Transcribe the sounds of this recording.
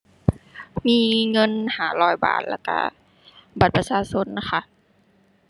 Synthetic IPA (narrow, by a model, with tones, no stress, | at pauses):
miː˧˥˨ŋɤ˧˥˨nhaː˨˩˦lɔː˧˩jba̰ː˨˩t̪̚la̰˧˩ka̰˧˩ | ba˨˩t̪̚pa˧saː˧˥so˧˥˨nːa˧xa˧˩